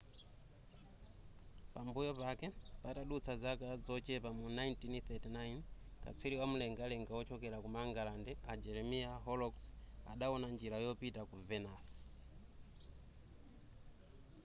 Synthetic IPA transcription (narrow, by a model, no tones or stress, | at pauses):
pambujɔpakɛpataɗut͡sʰazakazɔt͡ʃɛpamunajntinθɛtinajnka̰t͡sʰwiliwamulɛŋɡalɛŋɡaɔt͡ʃɔkɛɾakumaŋɡalandɛad͡ʒɛɾɛmiaɦɔlɔksaɗaɔnand͡ʒiɾajɔpitakuvɛnas